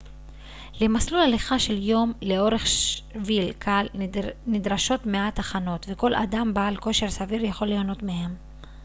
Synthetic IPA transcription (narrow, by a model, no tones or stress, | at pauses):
lemaslulaliχaʃe̞ljo̞mle̞o̞ʁe̞χʃvilkʰalnidʁaʃo̞tme̞at̪aχano̞t̪veko̞lʔa̰dambaːlko̞ʃe̞ʁsaviʁjaχo̞lejono̞t̪mehe̞m